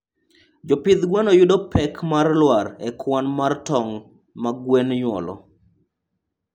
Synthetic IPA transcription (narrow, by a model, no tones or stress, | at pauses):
d͡ʒɔpɪd̪ɡwanɔjʊdɔpʰɛkmarlwaɾɛkʰwanmartɔŋ | maɡwenɲwɔ̰lɔ̰